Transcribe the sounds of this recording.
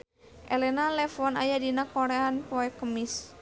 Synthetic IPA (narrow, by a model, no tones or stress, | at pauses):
ʔɛlɛnalɛfɔnajadinakɔɾɛanpɔɛkəmis